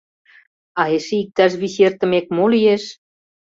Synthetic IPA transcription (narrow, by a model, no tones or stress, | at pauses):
ɑeʃeik̚t̪ɑʃ̬βiɕert̪ə̆mekmolijeʃ